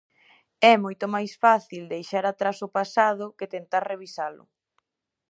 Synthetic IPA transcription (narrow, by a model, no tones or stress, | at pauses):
ɛmojt̪ʊmajsfaθild̪ejʃaɾat̪ɾasʊpasað̞ʊkɪt̪ent̪aɾreβ̞isalʊ̰